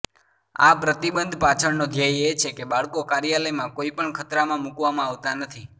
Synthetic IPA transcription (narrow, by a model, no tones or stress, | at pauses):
a̰pɾət̪ibənd̪ʱpat͡ʃʰəɽnod̪ʱjajet͡ʃʰekebaɭkokaɾjələjmãkoipəɳkʰət̪ɾamãmukʋamãaʋt̪anət̪ʰi